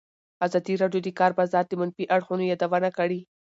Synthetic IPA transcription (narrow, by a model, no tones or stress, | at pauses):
azɑd̪iɾɑɖjod̪əkɑɾbazɑt̪̚d̪əmanfiʔaɽxunojɑd̪awənakaɽi